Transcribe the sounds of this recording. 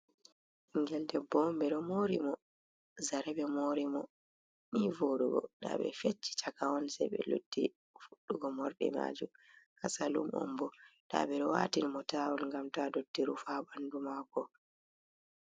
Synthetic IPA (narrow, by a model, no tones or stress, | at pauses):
iŋɡɛldɛbɔmbɛɗɔmoɾimɔ | zaɾɛɓɛmoɾimɔ | niːvoɗuɡɔ̰ɗa̰ɓɛ̰fet͡ʃːi̥t͡ʃakawɔnsɛɓɛ̰lṵd̥ːi | fuɗːuɡɔmɔɾɓɛ̰ma̰ːd͡ʒumhasalṵmʔɔ̰mbɔɗa̰ɓɛɗɔwaːtinmɔtaːwulŋɡamtadodːiɾufaːbandumakɔ